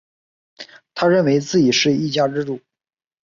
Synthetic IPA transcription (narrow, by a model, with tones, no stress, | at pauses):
t̪ʰa˥ɻə˥˩nwe˧˥ɪt͡sɹ̩˥˩t͡ɕi˨˩ʂɻ̩˥˧i˥˩t͡ɕja˥ʈ͡ʂɻ̩˥ʈ͡ʂu˥˩